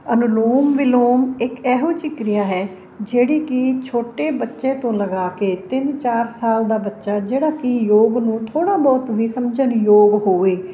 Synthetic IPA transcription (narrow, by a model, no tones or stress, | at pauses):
ənʊloːmʋɪloːmɪkɛːɦoːt͡ʃɪkɾɪjaːɦɛː | d͡ʒeːɽiːkɪt͡ʃʰoːʈeːbətːʃẽːt̪õːləɡaːkeːt̪ɪnt͡ʃaːɾsaːld̪aːbətːʃaːd͡ʒeːɽaːkɪjoːɡnũːt̪ʰoːɽ̃aːbɔːt̪ʋiːsəmd͡ʒənjoːɡɦoːʋeː